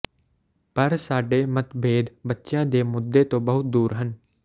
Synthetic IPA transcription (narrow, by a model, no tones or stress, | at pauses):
pəɾsaːɖeːmət̪bʱeːd̪bətːʃjãːd̪eːmʊd̪ːeːt̪õːbəɦʊt̪̚d̪uːɾɦən